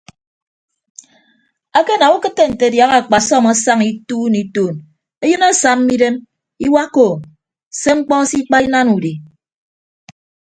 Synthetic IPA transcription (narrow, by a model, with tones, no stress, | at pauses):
a˦ke˦na˨u˦kɨ˦tːe˨n̩˨te˨dja˨˦ɣa˨k͡pa˨sɔ˦˨ma˦sa˦ŋi˦tu˦ni˨toː˨n | e˦jɨ˦na˦sa˨m̩˦mi˦de˦m | i˦wa˦ko˨ | se˦ŋ͡m̩˦k͡pɔ˦si˦k͡pa˦i˦na˦nu˨di˨